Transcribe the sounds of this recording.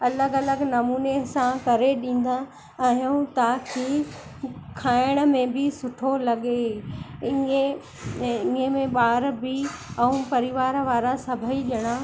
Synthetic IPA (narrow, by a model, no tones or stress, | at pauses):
ɐləɡɐləɡnɐmuːnesãkɐɾeɗĩːn̆d̪a | aːjũt̪aːkʰi | kʰaːɪɽ̃ə̆mẽbɪsʊʈʰolɐɠe | iẽ | ĩemẽɓaːɾbɪɛ̃ũpɐɾɪʋaːɾʋaːɾasɐbʱəiʄɐɽ̃aː